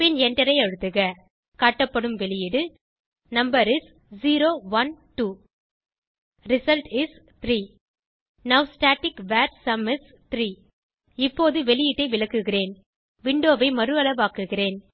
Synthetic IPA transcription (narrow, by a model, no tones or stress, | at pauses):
pɪnɛnɖɐɾɐɪɐɻɯt̪ːɯɣɐ | kaːʈːɐpːɐɽɯmʋɛlɪjɪɽɯ | nɐmbɐɾɪs | ziːɾoːʋɐnʈuː | ɾɪsɐlʈɪs | t̪ɾiː | nɐʋsʈaːʈːɪkʋaːɾsɐmɪs | t̪ɾiː | ɪpːoːðɯʋɛɭɪjɪʈːɐɪʋɪɭɐkːɯɣɪreːn | ʋɪɳɖoːʋɐɪmɐɾɯɐɭɐʋaːkɯɣɪreːn